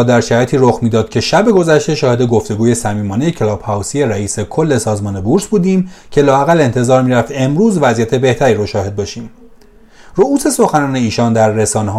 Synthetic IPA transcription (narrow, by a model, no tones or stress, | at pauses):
d̪æɾʃæɾjet̪iːɾoxmiːd̪ɒːd̪̥̚cʰeʃæbe̞ɡo̞zæʃt̪e̞ʃɒːhe̞d̪e̞ɡo̞ft̪e̞ɡuːje̞sæmiːmɒːnejecʰelɒːb̥hæwsije̞ɾæiːsekʰo̞lːe̞sɒːzmɒːne̞buɾsbuːd̪iːmcʰe̞lɒːæɣæle̞nt̪ʰe̞zɒːɾmiːɾæft̪e̞mɾuːzvæzijæt̪ʰe̞be̞ht̪ʰæɾiːɾoʃɒːhe̞d̪̚bɒːʃiːm | rouːse̞so̞xænɒːne̞iːʃɒːnd̪æɾːe̞sɒːneɦ